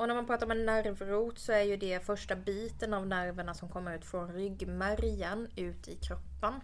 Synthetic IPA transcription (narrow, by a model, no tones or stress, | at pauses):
ɔnæɾmanpʰɾɑːt̪aɾɔmɛnːæɾvɾuːt̪sɔæɾjɵd̪ɛfœʂʈabiːt̪ənavnæɾvəɳasɔmkʰɔmːəɾʉ̟ːt̪fɾɔnɾʏɡmæɾjənʉ̟ːt̪ɪkʰɾɔpːan